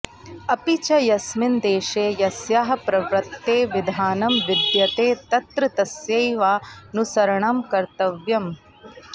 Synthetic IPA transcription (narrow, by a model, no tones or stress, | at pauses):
ɐpit͡ʃɐjɐsmind̪eːʃeːjɐsjaːɦɐ̆pɾɐʋɾɐt̪ːeːʋid̪ʱaːnɐmʋid̪jɐt̪eːt̪ɐt̪ɾɐt̪ɐsjɐjʋaːnusɐɾɐɳɐmkɐɾt̪ɐʋjɐm